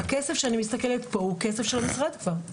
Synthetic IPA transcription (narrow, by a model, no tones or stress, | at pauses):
akesefʃeanimist̪akelet̪po̞hukesefʃelamisʁad̪kvaʁ